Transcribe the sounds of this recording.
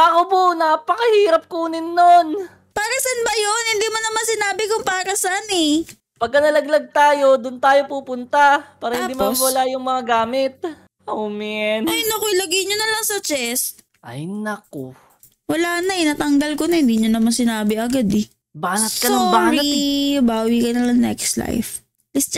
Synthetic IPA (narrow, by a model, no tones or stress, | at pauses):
ʔɐkobonaːpɐkɐhiːɾɐp̚kuːnɪnːon | paːɾɐsanbɐjonhɪnd̪iːmanːɐmansɪnaːbɪkʊŋpaːɾɐsaanɛ | pɐɡ̚kːɐnɐlɐɡlɐɡ̚t̪aːjo̞d̪ʊnt̪aːjo̞puːpʊnt̪apaːɾɐhɪnimannwɐlajʊŋmɐŋaɡaːmɪt̪̚ | ʔowmɛnojnɐkoɪlɐɡɛɲonɐlɐŋsɐt͡ʃɛs | ʔɐ̰jnɐko | wɐlaːnɐʔɪnaːt̪ɐŋɡɐlkonɐhɪnd̪iɲonɐmansɪnaːbɪʔɐɡad̪ɛ | baːnɐt̪kːɐnoŋbaːɾibaːwikɐnɐŋɐŋnɛ̰kst̪la̰jf | lɪst͡ʃ